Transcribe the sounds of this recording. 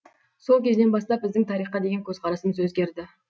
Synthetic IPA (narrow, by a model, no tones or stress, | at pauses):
so̞lˠkʲʰe̞zɪne̞nbɑst̪ɑp̚bɪzd̪ɪŋt̪ʰɑɾiχqːɑd̪e̞ɡʲeŋkʲʰɵzqʰɑɾɑsəməzwɵzɡʲe̞ɾd̪ɪ